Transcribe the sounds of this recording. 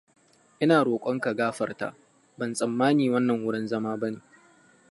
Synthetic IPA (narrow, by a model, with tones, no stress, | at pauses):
ʔɪ˦naː˨ɽoː˨kʷʼɔ˦ŋka˨ɡaː˦ɸɐ˨rta̰ː˦ | bɐ˨nsʼɐ˨mːaː˦niː˨wɐ˦nːɐ˨ŋwʊ˦ɽɪ˦nzɐ˦maː˦bɐ˦neː˨